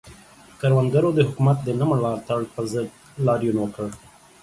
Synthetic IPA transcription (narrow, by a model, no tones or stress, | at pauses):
kaɾwanɡaɾod̪əɦʊkumat̪̚d̪ənaməlɑɾt̪aɽpəɾzəd̪̚ | lɑɾjunwəkəɽ